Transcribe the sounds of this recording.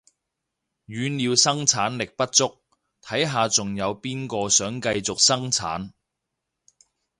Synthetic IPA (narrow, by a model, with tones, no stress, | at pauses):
ɥyː˨˧nliː˨˧wsɐ˥ŋt͡sʰaː˨˥nlɪ˨k̚pɐ˥t̚t͡ʃʊ˥k̚ | t̪ʰɐ˨˥jɦaː˨t͡sʊ˨ŋjɐ˨˧wpiː˥nkɔː˧sœː˨˥ŋkɐ˧jt͡sʊ˨k̚sɐ˥ŋt͡sʰa̰ː˨˥n